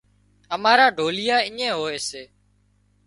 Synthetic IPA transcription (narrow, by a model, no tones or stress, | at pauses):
əmaːɾaːɖʱoːlɪjaːɪɲẽːɦoːeːseː